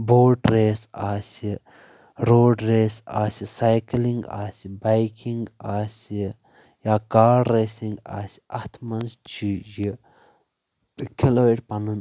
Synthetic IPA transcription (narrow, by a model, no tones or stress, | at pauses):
boːʈɾeːsaːsi | ɾoːɖɾeːsaːsisajkliŋɡa̰ːsibajkiŋɡaːsi | jaːkaːɽeːsiŋɡa̰ːsi̥ɐt̪ʰmɐnst͡ʃʰiji | kʲʰiloːeʈpɐnɨn